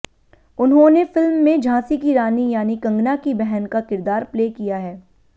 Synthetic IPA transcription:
ʊnɦõnefɪlmːẽd͡ʒʱãːsikiɾaːnijaːnikɐ̃ŋɡnakibɛɦənkakɪɾd̪aːɾpleːkijaɦɛː

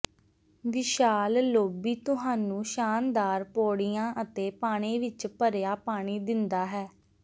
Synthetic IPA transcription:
ʋɪʃaːlloːbiːt̪ʊɦaːnũːʃaːnd̪aːɾpoːɽijãːʔət̪eːpaːɽ̃eːʋɪt͡ʃpəɾjaːpaːɽ̃iːd̪ɪnd̪aːɦɛː

